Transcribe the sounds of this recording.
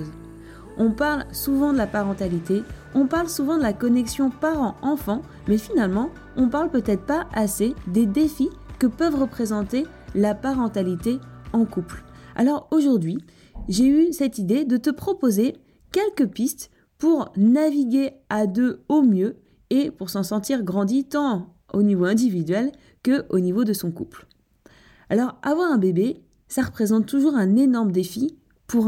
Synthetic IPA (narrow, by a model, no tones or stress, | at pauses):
z | ɔ̃paʁlsuvɑ̃d̪əlapaʁɑ̃t̪alit̪eɔ̃paʁlsuvɑ̃d̪əlakɔnɛksjɔ̃paʁɑ̃ɑ̃fɑ̃ | mɛfinalmɑ̃ | ɔ̃paʁlpøt̪ɛt̪χpaased̪ed̪efikəpœvʁəpχezɑ̃t̪e | lapaʁɑ̃t̪alit̪eɑ̃kupla̰lɔʁoʒuʁd̪ɥi | ʒeysɛt̪id̪ed̪ət̪əpχɔpoze | kʲɛlkəpist̪ | puʁnaviɡʲead̪øomjø | epuʁsɑ̃sɑ̃t̪iʁɡʁɑ̃d̪it̪ɑ̃ | onivoɛ̃d̪ivid̪ɥɛl | kəʔonivod̪əsɔ̃kupl | alɔʁavwãʁɛ̃bebe | saʁəpχezɑ̃t̪ːuʒuʁɛ̃nenɔʁmd̪efi | puʁ